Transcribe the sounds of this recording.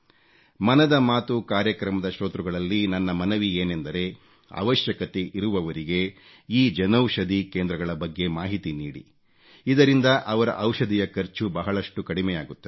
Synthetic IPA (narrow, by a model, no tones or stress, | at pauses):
mɐnɐd̪ɐmaːt̪ukaːɾjɐkɾɐmɐd̪ɐʃɾoːt̪ɾuɡɐɭɐlːinɐnːɐmɐnɐʋieːnend̪ɐɾe̞ | ɐ̰ʋɐʃjɐkɐt̪eʔiɾuʋɐʋɐɾiɡe̞ | iːd͡ʒɐnɐwʂɐd̪ikeːnd̪ɾɐɡɐɭɐbɐɡːe̞maːɦit̪iniːɽḭ | id̪ɐɾind̪ɐʔɐʋɐɾɐ̰ʔɐwʂɐd̪ijɐkɐɾt͡ʃubɐɦɐɭɐʂʈukɐɽimɛjaːɡut̪ːɐ